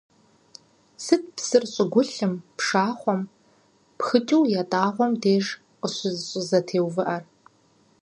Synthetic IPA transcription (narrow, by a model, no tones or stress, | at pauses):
sɨt̚ʰpsɨrɕʼɪɡʷʊɬɨmpʂaːχʷɔm | pxɨt͡ʃʼiwjatʼaːʁʷɔmdeːʒ | qəɕʷʊzɕʷʼʊzɐtʰeːwvɨʔɐr